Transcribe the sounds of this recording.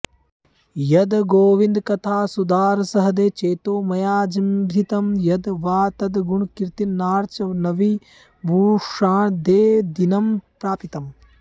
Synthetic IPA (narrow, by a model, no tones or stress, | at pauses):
jɐd̪ɡoːʋind̪kɐt̪ʰaːsud̪aːɾsɐɦɐd̪eːt͡ʃeːt̪oːmɐjaːd͡ʒimbʱit̪ɐmjɐd̪ʋaːt̪ɐd̪ɡuɳkiɾt̪inːaːɾt͡ʃɐʋnɐʋi | bʱuːʂaːɳd̪eːd̪inɐmpɾaːpit̪ɐm